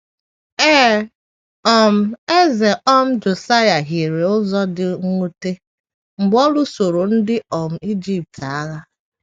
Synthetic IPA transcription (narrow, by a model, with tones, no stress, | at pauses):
eː˦ | ɔ˨m̩˨e˦ze˨ʔɔ˦m̩˦d͡ʒo˨sa˦ja˨ɦi˨ɾe˨ʊ˦zɔ˦dɪ˨ŋ̩˦u˦te˦ | ŋ͡m̩˨ɡ͡bɔ˦lu˦so˨ɾo˨n̩˦dɪ˦ɔ˨m̩˨i˦d͡ʒi˦p̚ta˦ɣa˦